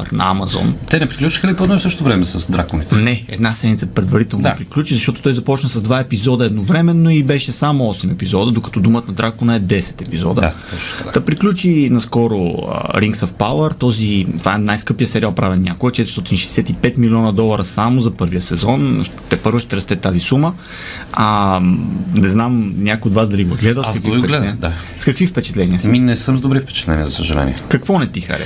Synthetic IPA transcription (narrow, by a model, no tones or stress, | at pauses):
ɾnɐ̰amɐzɔ̰nt̪ɛnɛpɾiklʲut͡ʃi̥xəlipod̪ɛsɤʃtt̪ovɾɛmɛsɐsd̪ɾakonit̪ɛnɛɛ̰d̪nasɛd̪mʲit̪sɐpɾɛd̪vɐɾit̪ɛlˠnopɾiklʲut͡ʃizɐʃt̪ɔt̪o̥t̪ɔjzɐpɔt͡ʃnəsɐzd̪vaɛpizɔd̪ɐɛd̪novɾɛmɛnːoibɛʃɛsamoɔsɛmɛpizɔd̪əd̪okɐ̥t̪ɔd̪umət̪nɐd̪ɾakonəɛd̪ɛsɛ̥t̪ɛpizɔ̰d̪ə | d̪ɐpɾiklʲut͡ʃinɐskɔɾo̰ɾiŋksɐfpaləɾt̪ɔzit̪vaɛnajskɤpiəsɛɾialˠpɾavʲɛnʲakoɡət͡ʃɛt̪ɛɾst̪ɔt̪inʃɛjsɛt̪ipɛt̪milʲiɔnɐd̪ɔlˠɐɾəsamozɐpɤɾvijəsɛzɔnʃt̪ɛpɤɾvəʃt̪ɛɾɐst̪ɛt̪ːazisumə | ɐ | nɛznamnʲakojod̪vasd̪ɐliɡoɡlɛd̪əskɐkviiɛlɛɛd̪a | skɐkvifpɛt͡ʃɛt̪lɛniəminɛsəmzd̪obɾifpɛ̥t͡ʃɛ̥t̪lɛ̰nijə̰zɐsəʒɐlɛ̰nʲiɛkɐkvɔnɛt̪ixɐ̰ɾɛ̰